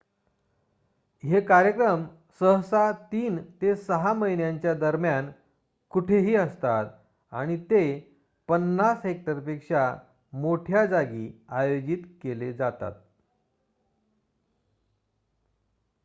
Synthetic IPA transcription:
ɦekaɾjəkɾəm | səɦsat̪iːnt̪esəɦaməinjaɲt͡ɕjad̪əɾmjan | kuʈʰeɦiːəst̪at̪ | a̰ɽ̃it̪e | pənːasɦek̚ʈəɾpekʂa | moʈʰjad͡zaɡiːajod͡ʑit̪keled͡zat̪a̰t̪̚

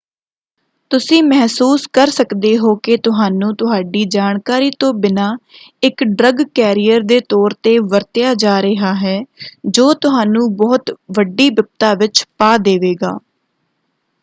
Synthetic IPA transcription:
t̪ʊsĩːmɛɦsuːskəɾsəkd̪eːɦoːket̪ʊɦaːnũːt̪ʊɦaːɖiːd͡ʒaːɳkaːɾiːt̪õːbɪnaː | ɪkɖɾəɡkɛːɾijəɾd̪eːt̪ɔːɾt̪eːʋəɾt̪ɪjaːd͡ʒaːɾəɦaːɦɛːd͡ʒoːt̪ʊɦaːnũːbɔːt̪ʋəɖiːbəp̚t̪aːʋɪt͡ʃpaːd̪eːʋeːɡa̰ː

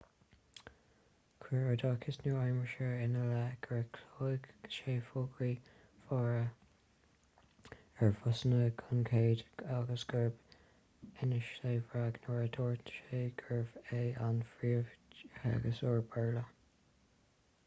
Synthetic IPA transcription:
kʰwiɹəd̪ɑːkʰɪsnuɹajməʃəɹɪnəlaɡ̥əɹəkʰloːɪɡʃeːfʊɡɹi | fɑːɹə | ɛɹfʊsənəkʰʊnkʰeːd̪aɡəsɡ̥əɹb | ɪnəʃeːvɹaɡnoːɹəd̪oːɹtʃeːɡ̥əɹveːanfɹiːəva̰ɡəsɔːɹbɛɹlə

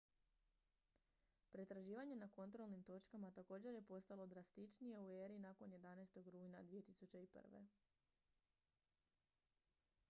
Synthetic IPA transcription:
pɾe̞t̪ɾaʒiːʋaɲe̞nako̞nt̪ɾo̞lˠnimt̪o̞t͡ʃkamat̪ako̞ːd͡ʑe̞ɾje̞po̞st̪alˠo̞d̪ɾast̪it͡ʃnije̞ueːɾinako̞nje̞d̪anajst̪o̞ɡɾuːjnad̪ʋije̞t̪isut͡ɕe̞ipr̩ʋe̞̰

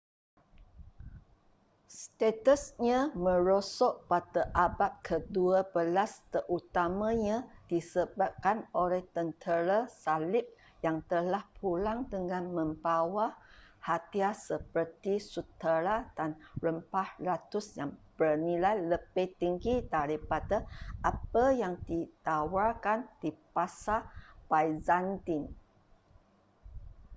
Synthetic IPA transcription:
st̪et̪əsɲãmə̃ɾosɔʔpat̪əʔabat̪̚kʰəduabəlast̪ərʔut̪amãɲãdisəbap̚kanolɛht̪ənt̪ʰəɾasalɪp̚ | jaŋt̪əlahpʰulaŋdəŋãnmə̃mbawahat̪iasəpərt̪isut̪əɾad̥anrəmpahlat̪ʊsjaŋb̥ərnilajləb̥ɪht̪iŋɡidaɾipadaʔapəjaŋdit̪awarkand̥ipasabajzant̪in

